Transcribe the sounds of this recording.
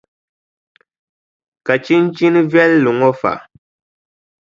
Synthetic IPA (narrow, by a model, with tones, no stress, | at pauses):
ka˨t͡ʃi˦n̩˦t͡ʃi˦nɨ˦vjɛ˦lːu˨ŋɔ˦fa̰˨